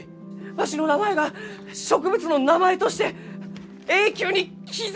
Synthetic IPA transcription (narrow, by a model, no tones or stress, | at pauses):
βaɕino̞namae̞ɡa | ɕo̞kɯ̟bɯ̟t͡sɨno̞namae̞t̪o̞ɕi̥t̪e̞ | e̞ːkʲoːɲ̟i | kʲiz